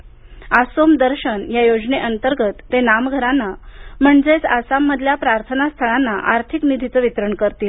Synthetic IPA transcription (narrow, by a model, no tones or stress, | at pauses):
asomd̪əɾɕənjajod͡zneʔənt̪əɾɡət̪ːenamɡʱəɾanːam̤əɳd͡zet͡sasamːəd̪ʱljapɾaɾt̪ʰənast̪ʰəɭanːaʔaɾt̪ʰiknid̪ʱit̪ʋit̪ɾəɳkəɾt̪iːl